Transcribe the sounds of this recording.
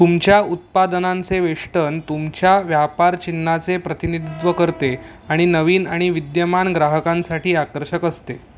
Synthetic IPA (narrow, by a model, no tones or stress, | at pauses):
t̪umt͡ɕjaut̪̚pad̪ənãnt͡seʋeʂʈənt̪umt͡ɕjaʋjapaɾt͡ɕinːat͡sepɾət̪inid̪ʱit̪ʋəkəɾt̪e | aɽ̃inəʋiːnaɽ̃iʋid̪jəmanɡɾaɦəkãnsaʈiːakəɾɕəkəst̪e